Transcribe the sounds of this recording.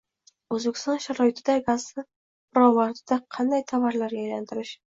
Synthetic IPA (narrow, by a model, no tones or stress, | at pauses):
ɵzbekʰʲɪ̥st̪ɒnʃaɾɒɪt̪ʰɪd̪aɡazɪ | bɾɒmaɾt̪ʰɪd̪aqʰɑnd̪ajt̪ʰavaɾlaɾɡʲaajlant̪ʰɪɾɪʃ